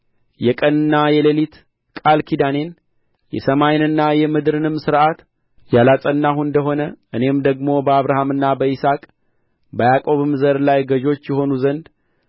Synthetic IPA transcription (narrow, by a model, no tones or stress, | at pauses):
jɛkʼənɨnːajɛlelit̪ | kʼalkʰid̪ane̞n | jɛ̰səmajnɨnːajɛmɨd̪ɾɨnɨmsɨɾʔat̪ | jalasʼənːaɦuɨnd̪əɦo̞nəʔɨne̞md̪əɡmo̞bəaβɾahamɨnːabəisakʼ | bəjakʼo̞βɨmzəɾlajɡəʒo̞t͡ʃːjɛɦo̞nuzənd̪